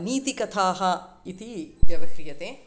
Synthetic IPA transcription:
niːt̪ikɐt̪ʰaːɦɐ | it̪id͡ʒɐʋɐkɾijɐt̪e

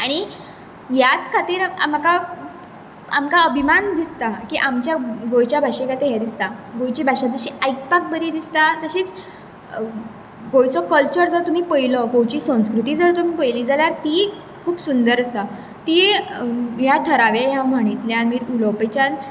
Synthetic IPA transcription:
aɽ̃i | jat͡skʰat̪iːɾa̰maka | a̰mkaəbʱimand̪ist̪akiʔamt͡ɕjaɡojt͡ɕjabʱaʂekat̪eɦjad̪ist̪aɡojt͡ɕibʱaʂad͡z̪əɕiajk̚pak̚bəɾid̪ist̪at̪əɕiːt͡s | ɡojt͡sɔkəlt͡ɕəɾd͡zət̪um̤iːpəjlɔɡojt͡ɕiːsə̃skɾut̪iːd͡zəɾt̪um̤iːpəjliːd͡zaljaɾt̪i | kʰuːpsund̪əɾəsa | t̪i | ɦjat̪ʰəɾaʋeɦjãməɽ̃it̪ljãmiːɾulɔpəjt͡ɕan

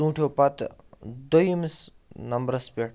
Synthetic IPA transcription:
ũːʈʰjopɐt̪d̪ojims | nɐmbɾɐspeʈ

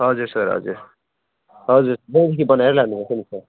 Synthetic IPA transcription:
ɦʌd͡zuɾsʌɾɦʌ̰d͡zṵɾ | ɦʌd͡zuɾsʌbʌĩd̪ikʰibʌnaeɾʌlaɡnubasʰʌnisʰʌ

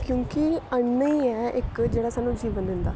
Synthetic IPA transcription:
kjõːkiəɳːəiːɛːʔɪkd͡ʒeːɽaːsaːnːũːd͡ʒiːʋənd̪ɪ̃nd̪a̰ː

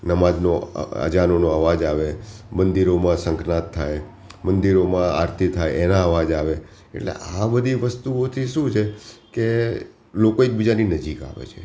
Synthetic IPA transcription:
nəmad͡ʒnoə̰d͡ʒanonoəʋad͡ʒaʋemənd̪iɾomãsə̃ŋknat̪ʰːaj | mənd̪iɾomãaɾt̪ʰit̪ʰajenãəʋad͡ʒaʋe | ḛʈlḛʔabəd̪ʱiʋəst̪uot̪ʰiʃũt͡ʃʰeke | lokoek̚bid͡ʒaninəd͡ʒika̰ʋḛt͡ʃʰe

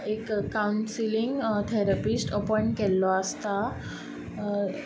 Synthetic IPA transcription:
ekkːawɳsiliŋɡt̪ʰɛɾapisʈəpɔɳkɛlːɔəst̪a

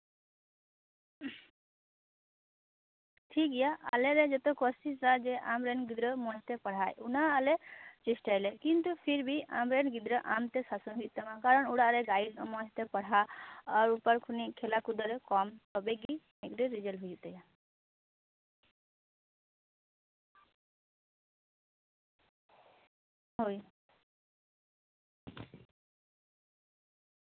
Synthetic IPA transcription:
tʰikijaʔa̰leɾed͡ʒet̪ɔkɔsʈisɾad͡ʒeʔamɾenɡid̪ɾɔmɔɛt̪epɔɽ̤ajunaːlet͡ʃisʈajlekint̪upʰiɾbia̰mɾenɡid̪ɾɔʔamt̪esasɔnɦijt̪ɔmãkaɾɔnuɽaɾeɡajiɾɔmɔɦt̪epɔɽ̤aɔɾupəɾkʰunikʰelakud̪ɔɾekɔmt̪ɔbeɡimekɾeɾid͡ʒəlɦujut̪eja | ɦoj

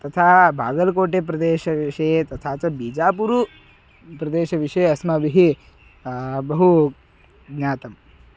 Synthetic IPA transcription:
t̪ɐt̪ʰaːbʱa̰ːɡɐlkoːʈep̬ɾɐd̪eːʃɐʋiʃɐjet̪ɐt̪ʰaːt͡ʃɐbiːd͡ʒaːpuɾu | pɾɐd̪eːʃɐʋiʂɐjeɐsmɐʋiɦi | bɐɦu | ɡɲaːt̪ɐm

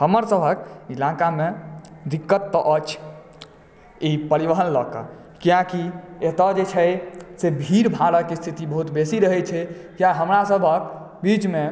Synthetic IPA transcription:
həməɾsəbʱəkilakameɾikːət̪ːɔʔət͡ʃʰ | ipəɾiʋəɦənləkə̰ | kijãkiet̪əd͡ʒet͡ʃʰɛsebʱiɾbʱaɾəkest̪ʰit̪ibəɦut̪besiɾəɦɛt͡ʃʰɛkjaɦəmɾasəbʱək̚ | bit͡ʃme

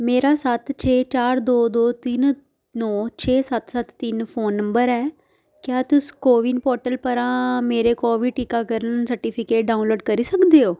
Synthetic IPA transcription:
meːɾaːsət̪t͡ʃʰeːt͡ʃaːɾd̪oːd̪oːt̪ɪn | nɔːt͡ʃʰeːsət̪sət̪ːɪnpʰoːnːəmbəɾɛː | kjaːt̪ʊskoːʋɪnpɔːɾʈəlpəɾãːmeːɾeːkoːʋiːʈiːkaːkəɾənsəɾʈiːpʰɪkeːʈ̚ɖaːunloːɖkəɾiːsəkd̪eːoː

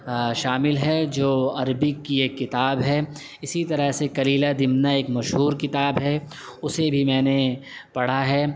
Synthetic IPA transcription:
ʃaːmɪlɦɛd͡ʒoːɐɾbɪkːieːkːɪt̪aːbɦɛ | ɪsit̪ɐɾəɦsekɐliːlad̪ɪmnaeːkmɐʃɦuːɾkɪt̪aːbɦɛ | ʊsebʱimɛ̃ːne | pɐɽ̤aɦɛː

